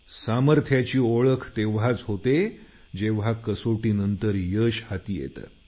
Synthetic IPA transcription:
saməɾt̪ʰjat͡ɕiːoɭəkʰt̪eʋ̤ɦat͡sɦot̪e | d͡ʑeʋ̤akəsoʈiːnənt̪əɾjəɕhat̪iːjḛt̪ə̰

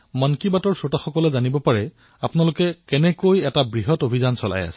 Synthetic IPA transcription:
mɔnkibatɔɹsotaxɔkɔlɛzanibɔpaɹɛ | apʊnalʊkɛkɛnɛkojɛtabɹiɦɔtobʱizansɔla̰ja̰sɛ̥

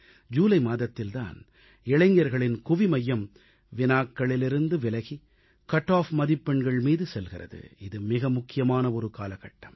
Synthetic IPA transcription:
d͡ʒuːlɐɪmaːðɐt̪ːɪlt̪a̰ːn | ɛɭɐŋɡjɐɾɣɐɭɪnkʊʋimɐjːɐm | ʋɪnaːkːɐɭɪlɪɾɯnd̪ɯʋɪlɐɣi | kɐʈːaːfmɐðɪpːɛɳɡɐɭmiːðɯsɛlɣɪrɐ̰ðɯ̰ɪðɯmɪɣɐmʊkːɪjɐmaːnɐɔɾɯkaːlɐɣɐʈːɐm

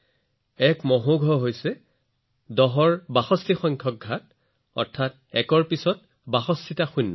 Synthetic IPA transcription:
ɛkmɔɦoɡʱɔɦojsɛ | dɔɦɔɹbaxɔstixɔŋkʰɔk̚ɡʱat | ɔ̰ɹtʰːat̚ | ɛkɔɹpisɔt | baxɔstʰitaxunːɔ

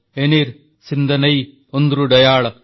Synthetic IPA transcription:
eniːɾ | sind̪ɐnɐj | ond̪ɾuɖɐjaːɭɐ

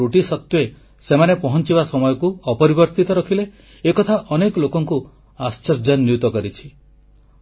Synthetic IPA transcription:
uʈisɔk̚t̪ue | semanepɔɦɔnt͡ʃibasɔmɔjɔkuɔpɔɾibɔɾt̪it̪ɔɾɔkʰileː | kɔt̪ʰaʔɔnekɔlokɔŋku | ast͡ʃɔɾd͡ʒɔnːjut̪ɔkɔɾit͡ʃʰi̥

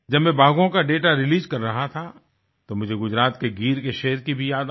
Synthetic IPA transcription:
d͡ʒɐbmɛ̃baːɡõkaɖeːʈaɾɪliːzkɐɾːɐɦat̪ʰa | t̪omʊd͡ʒʱeɡʊd͡ʒɾaːt̪keɡiːɾkeʃeɦəɾkibʱijaːd̪

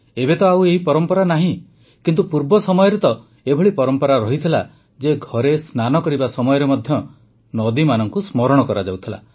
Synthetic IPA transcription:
ebet̪ɔaweɦipɔɾɔmpɔɾanaɦĩ | kint̪upuɾbɔsɔmɔjɔɾet̪ɔ | ebʱɔɭipɔɾɔmpɔɾaɾɔɦit̪ʰila | d͡ʒeɡʱɔɾesnanɔkɔɾibasɔmɔjɔɾemɔd̪ʱjɔ | nɔd̪imanɔŋkusmɔɾɔɽ̃ɔkɔɾad͡ʒawt̪ʰila̰

